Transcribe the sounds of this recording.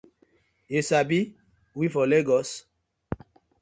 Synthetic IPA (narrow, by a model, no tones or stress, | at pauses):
jesabi | wifɔleɡɔs